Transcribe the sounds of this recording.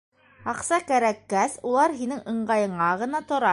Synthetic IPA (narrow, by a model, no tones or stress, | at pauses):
ɑqsɑkæɾækːæsulˠɑɾɦinɘŋʔɤ̆ɴɢɑjɤ̆ɴɑʁɤ̆nɑt̪ŏɾɑ